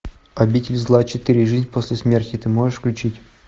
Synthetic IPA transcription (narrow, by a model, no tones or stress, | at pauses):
ɐbʲitʲɪlʲzlˠat͡ɕɪt̪ɨɾʲɪʐɨzʲnʲposʲlʲɪsmʲertʲɪt̪ɨmo̞ʐɨʂfklʲʉt͡ɕitʲ